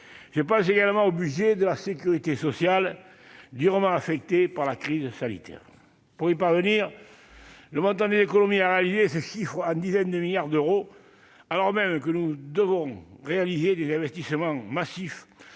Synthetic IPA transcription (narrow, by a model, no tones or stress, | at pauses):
ʒəpɑ̃s̬eɡaləmɑ̃obyʒed̪əlasekʲyʁit̪esɔsjal | d̪yʁəmɑ̃afɛk̚t̪epaʁlakχizəsanḭt̪ʰɛ̰ʁ | puʁipaʁvəniʁ | ləmɔ̃nt̪ɑ̃d̪ezekonomiaʁealizesəʃifχəɑ̃d̪izɛnd̪əmiljaʁd̪øʁo | alɔʁmɛmkənud̪əvɔ̃ʁealized̪ezɛ̃vɛst̪isəmɑ̃masif